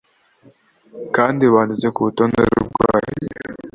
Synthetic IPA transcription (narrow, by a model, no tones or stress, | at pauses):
kaːndiβaːndizekut̪onḛɾṵɡa̰ːje